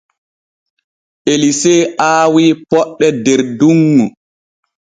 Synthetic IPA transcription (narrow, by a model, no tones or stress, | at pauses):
ʔelisɛːaːwiːpɔɗːɛdɛɾduŋːu